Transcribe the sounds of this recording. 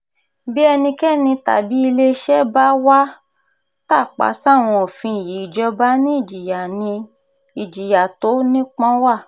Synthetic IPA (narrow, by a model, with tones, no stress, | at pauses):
bi˦ɛ˧nĩ˧kɛ˦˨nĩ˧ta̰˨bi˨˦i˧le˦ʃɛ˦ba˦wa˦ | ta˦˨k͡pa̰˨˦sa˦˨w̃ɔ̃˧ɔ˨fĩ˧˨ji˨˦i˦˨d͡ʒɔ˧˦ba˦nĩ˦i˦˨d͡ʒi˨ja˨nĩ˧ | i˨d͡ʒi˨ja˨to˨˦nĩ˦k͡pɔ̃˦wa˦˨